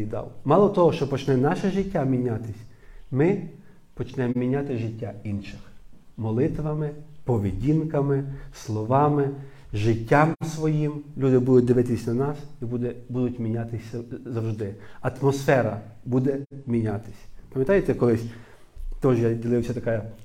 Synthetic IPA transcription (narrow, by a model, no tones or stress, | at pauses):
id̪ɑ̰wmɑlˠɔt̪ɔɦɔʃt͡ʃɔpɔt͡ʃnɛnɑʃɛʒɪtʲːamʲinʲat̪ɪsʲ | mɪ | pɔt͡ʃnɛmmʲinʲat̪ɪʒɪtʲːainʃɪxmɔlˠɪt̪ʋɐmɪpɔʋʲidʲinkɐmɪslˠɔʋɑmɪ | ʒɪtʲːamsʋɔjimlʲud̪ɪbud̪ʊt̚ʲd̪ɪʋɪt̪ɪsʲnɐnɑsibud̪ɛbud̪ʊtʲmʲinʲat̪ɪsʲɐzɐwʒd̪ɪɐt̪mɔsfɛɾɐ̰bud̪ɛmʲinʲat̪ɪ̥sʲpɐmjɐt̪ɑjet̪ɛkɔlˠɪsʲ | t̪ɔʒjadʲilˠɪwsʲɐt̪ɐkɑjɐ